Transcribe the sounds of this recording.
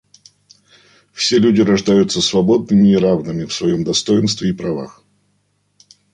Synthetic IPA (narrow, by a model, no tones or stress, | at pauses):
fsʲe̞lʲʉdʲɪɾɐʐd̪ajʊt̪səsvɐbo̞d̪̚nɨmʲɪːɾavnɨmʲɪfsvɐjo̞md̪ɐst̪o̞jɪnst̪vʲɪːpɾɐva̰x